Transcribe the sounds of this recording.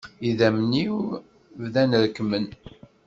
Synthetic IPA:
iðæmniw | vðænɾəkːmən

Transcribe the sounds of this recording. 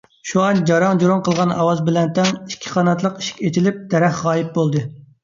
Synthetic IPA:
ʃuɑnd͡ʒɑɾɑŋd͡ʒoɾoŋqʰəlˠʁɑnɑ̰wɑzbɪlɛnt̪ɛŋikʲʰːi̥χʰɑːnɑt̪lˠəqi̥ʃi̥kʲet͡ʃʰilɪp̚d̪̥ɛɾɛχʁɑːjip̚bolˠd̪ɨ

